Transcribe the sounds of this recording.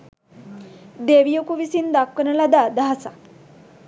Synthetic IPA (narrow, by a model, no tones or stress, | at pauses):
d̪eʋijokuʋisiːnd̪akənəlad̪ad̪əɦasa